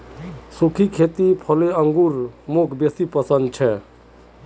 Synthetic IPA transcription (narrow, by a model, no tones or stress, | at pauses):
sukʰikʰet̪ipʰɔleəŋɡuɾmokʰbesipəsənd̪̚t͡ʃʰɛ